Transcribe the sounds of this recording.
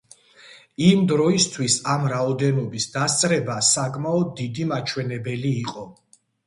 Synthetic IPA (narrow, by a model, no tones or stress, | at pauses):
imd̪ɾɔist̪ʰwisamɾaɔd̪ɛnɔbisd̪ast̪sʼɾɛbasakʼmaɔd̪ːid̪imat͡ʃʰwɛnɛbɛliːqʼɔ